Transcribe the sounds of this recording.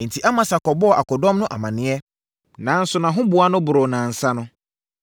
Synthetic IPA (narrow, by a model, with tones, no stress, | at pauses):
n̩˨tʰi˨ʔa˦mã˨sa˨kɔ˨bɔ˦˨ʔa˨kɔ˨dɔ̃˦mnʊ̃˦ʔa˨mã˨nɪ̃˨ɛ˦ | nã˨˦n̩˦sʊ˨nã˨ɦʊ̃˦bʊ˨˦a˦nʊ̃˦bʊ˨ɾʊ˨nã˨n̩˨sa˦nʊ̃˦